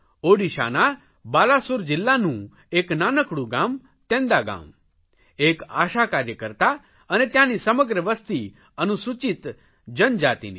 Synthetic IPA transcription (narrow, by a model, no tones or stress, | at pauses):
oːɽiʃa̰ːna | baːlasʊɾd͡ʒɪlːanũ | eːknaːnəkɽuɡãːm | t̪ẽːnd̪aɡã̰ːm | eːka̰ːʃakaːɾjəkəɾt̪a | ənet̪jãnisɐməɡɾəʋəst̪i | ənusut͡ʃit̪ | d͡ʒənd͡ʒaːt̪ḭnḭː